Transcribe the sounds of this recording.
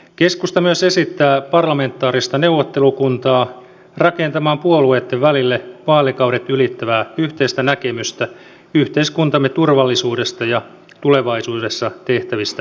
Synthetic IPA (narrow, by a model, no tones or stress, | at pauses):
ke̞skust̪ɑmyøse̞sit̪ːæːpɑrlɑme̞nt̪ːˑɑːɾist̪ɑneuwʋːot̪ːelukunt̪ɑː | rɑkent̪ɑmɑːmpuoluet̪ːeʋʋælilːeʋɑːlikɑwɾet̪ylit̪ːæʋæːyht̪eist̪ænækemyst̪æ | yht̪eiskunt̪ɑmːet̪urʋɑlːisuːdest̪ɑjɑ | t̪ule̞ʋɑisuːdesːɑt̪e̞ht̪æʋist̪æ